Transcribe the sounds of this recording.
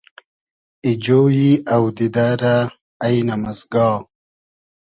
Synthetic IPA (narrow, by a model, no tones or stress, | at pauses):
id͡ʑoːjiɐwd̪id̪aɾaː | jnɐmɐzɡɑː